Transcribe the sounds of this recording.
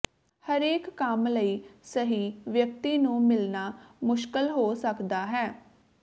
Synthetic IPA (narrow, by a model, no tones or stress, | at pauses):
həɾeːkːəmləiːsəɦiːʋjək̚t̪iːnũːmɪlnaːmʊʃkəlɦoːsəkd̪aːɦɛː